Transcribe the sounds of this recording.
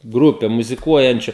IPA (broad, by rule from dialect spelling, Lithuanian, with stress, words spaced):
ˈɡrʊpʲɛ mʊzʲɪˈkuɔjɛnʲt͡ʃʲʊ